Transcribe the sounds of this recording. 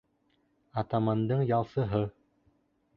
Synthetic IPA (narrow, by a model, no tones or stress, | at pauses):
ɑt̪amɑnd̪ɤɴjɑlˠsɤ̆ɦɤ